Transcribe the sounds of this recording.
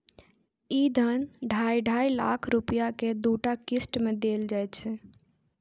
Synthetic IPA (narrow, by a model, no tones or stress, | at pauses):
id̪ʱənɖʱajɖʱajla̰kʰɾupijaked̪uʈakisʈmed̪eːld͡ʒajt͡ʃʰɛ